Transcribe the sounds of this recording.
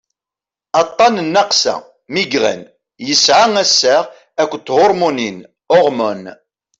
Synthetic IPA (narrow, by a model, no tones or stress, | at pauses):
ɑt̪ˤːɑnənːɑqsæ̰ | miɡʁæ̰n | jəsʕaŋæsːaʁ | ækʷːt̪ːhʊɾˤmunin | ʊʁmon